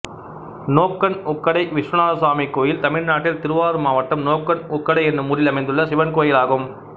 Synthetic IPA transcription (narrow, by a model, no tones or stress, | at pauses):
noːkːɐnɔkːɐɽɐɪʋɪʂʋɐnaːsaːmikːoːjɪlt̪ɐmɪɻnaːʈːɪlt̪ɪɾɯʋaːɾɯmaːʋɐʈːɐmnoːkːɐnʊkːɐɽɐɪɛnɯmʊɾɪlɐmɐɪnd̪ɯɭːɐsɪʋɐnkoːjɪlaːɣɯm